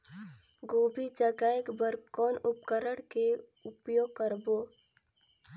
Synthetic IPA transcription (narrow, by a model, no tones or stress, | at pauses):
ɡoːbʱid͡ʒəɡaːjəkbəɾkɔːnʊpkəɾəɽke | ʊpjoːɡ̚kəɾboː